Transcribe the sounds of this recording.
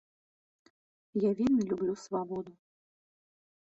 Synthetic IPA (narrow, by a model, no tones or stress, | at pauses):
javʲinːɐlʲublʲusvabɔd̪u